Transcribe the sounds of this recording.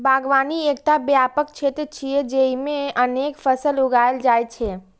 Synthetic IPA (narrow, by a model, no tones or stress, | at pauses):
bʱaːɡʋaːnieːk̚t̪abjaːpəkt͡ʃʰet̪ɾt͡ʃʰied͡ʒeimẽəneːkfʰəsəlʊɡaːjld͡ʒaːjt͡ʃʰe